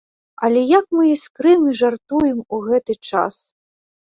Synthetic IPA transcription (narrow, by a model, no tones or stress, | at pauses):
ɐlʲɛjakmɨiskɾɨmʲiʐart̪ujɛmuɣɛt̪ɨt͡ʂa̰s